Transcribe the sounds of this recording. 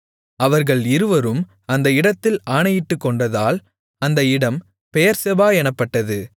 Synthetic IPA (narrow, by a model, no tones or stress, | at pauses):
ɐʋɐɾɣɐɭɪɾɯʋɐɾɯm | ɐnd̪ɐɪɽɐt̪ːɪlaːɳɐjɪʈːɯkːɔɳɖɐðaːl | ɐnd̪ɐɪɽɐm | pɛjɐɾsɛbaːɛnɐpːɐʈːɐðɯ